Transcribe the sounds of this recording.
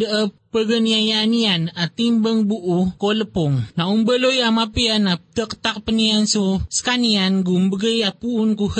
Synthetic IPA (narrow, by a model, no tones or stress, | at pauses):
dəʔəpəɡəniajanianat̪imbəŋbuʔukoləpɔŋnaumbəlojamapianat̪əkə̥t̪ak̚pəniansosə̥kanianɡumbəɡəjapuːnkuh